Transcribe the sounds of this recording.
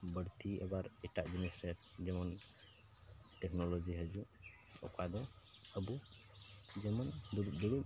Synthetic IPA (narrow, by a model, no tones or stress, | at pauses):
bəɽt̪iɛbaɾɛʈaʔd͡ʒɛnisɾɛtd͡ʒɛmɔn | tɛknɔlɔd͡ʒiɦəd͡ʒu | ɔ̰kad̪ɔəbu | d͡ʒɛmand̪uɾut̚d̪ɔɽu